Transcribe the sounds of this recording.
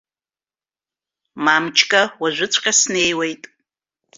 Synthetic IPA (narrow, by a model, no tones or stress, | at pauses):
mamt͡ʃʰkʼawaʒʷʊt͡sʷʰʼqʲʼasne̞jwejtʼ